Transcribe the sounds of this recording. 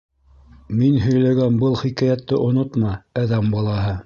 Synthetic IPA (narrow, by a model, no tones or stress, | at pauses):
minɦɵ̆jlæɡænbɤlˠχikæjæt̪ːɘʔŏnot̪mɑæðæmbɑlˠɑɦɤ